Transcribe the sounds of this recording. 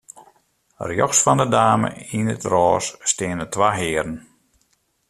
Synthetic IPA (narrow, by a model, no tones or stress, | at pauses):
rjɔxsfɔndədaːmə̰inətrɔːsːtɪənətʋaːɦɪːəɾən